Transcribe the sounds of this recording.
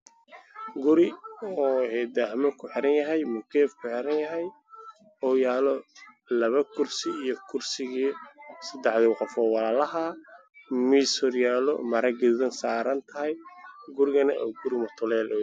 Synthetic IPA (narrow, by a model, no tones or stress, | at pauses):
ɡʊɾɪɔːhɛːd̪ahmɐkʰʊħɪɾɐnjɐɦɛjmʊkʰɛːfkʰʊħɪɾɐnjɐɦɛj | ɔːjaːlɔ | lɐβɐkʰʊrsɪijɔkʰʊrsɪɣisɐd̪ɛħðɪqɔfɔːwɑlaːlɐɦɐ | misʊrjaːlɔ̰mɐɾɐɡɪððɐnsaːɾɐnt̪ʰɐɦɛjɡʊɾɪɣɐnɐʔɔɡʊɾɪmɐt̪ʰʊlɛːlɔ